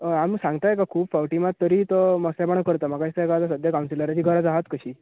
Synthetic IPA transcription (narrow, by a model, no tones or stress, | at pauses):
əamsãŋɡt̪ajekakʰuːpfawʈimat̪ːəɾiːt̪ɔməslabaɳ̃akəɾt̪am̤akait̪akat̪asəd̪ʱjakaw̃nsiləɾat͡ɕiːɡʱəɾad͡zaɦat̪kəɕiː